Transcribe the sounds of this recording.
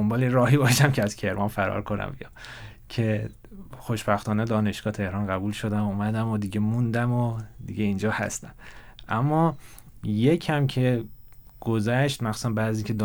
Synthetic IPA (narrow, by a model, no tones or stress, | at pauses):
ombɒːleɾɒːɦiːbɒːʃæmcʰeæz̥cʰe̞ɾmɒnfæɾɒ̰ɾkʰonæ̰mbḭɒ | cʰe̞ | xo̞ʃbæxt̪ɒːned̪ɒːne̞ʃɡ̥ɒːt̪ʰe̞hɾɒːnɢæbuːlʃo̞d̪æmumæd̪æmod̪iɟe̞mund̪æmod̪iɟeind͡ʒɒːhæ̰st̪æm | ʔæmːɒː | jecʰæmcʰe̞ | ɡ̥ozæʃt̪mæxsu̥sænbæːd̪ziːŋcʰed̪